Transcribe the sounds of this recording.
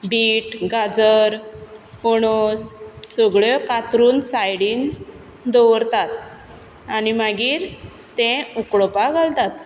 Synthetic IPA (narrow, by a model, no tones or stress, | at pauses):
biːʈɡad͡zəɾpɔɽ̃ɔssəɡɭɔkat̪ɾuːnsajɽiːn | d̪ɔʋɾt̪at̪ | animaɡiːɾ | t̪ẽukɭɔpaɡʱalt̪at̪